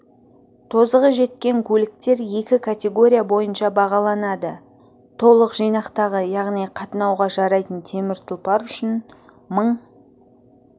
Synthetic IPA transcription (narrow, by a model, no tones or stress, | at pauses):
t̪ʰo̞zəʁəʒe̞t̪̚kʲe̞ŋkʲʰɵlɪk̚t̪e̞ɾje̞kʲɪkʰat̪ʲe̞ɡo̞ɾʲijabo̞jənʃɑbɑʁɑlˠɑnɑd̪ə | t̪ʰo̞lˠəqʒijnɑqt̪ɑʁəjɑʁnijqʰɑt̪ənɑwʁɑʒɑɾɑjt̪ənt̪ʰe̞mɪɾt̪ʰʊlˠpɑɾʏʃɪn | məɴ